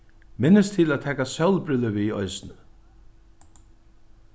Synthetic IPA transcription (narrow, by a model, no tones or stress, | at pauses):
mɪnːəst̪ʰɪlæðt̪ʰɛːkasœwlpɾʏləviɔ̰jsnə